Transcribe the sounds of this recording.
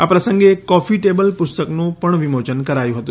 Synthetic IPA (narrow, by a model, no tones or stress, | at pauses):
apɾəsəŋɡekɔfiʈebəlpʊst̪əknũpəɳʋimot͡ʃənkəɾajũɦət̪ũ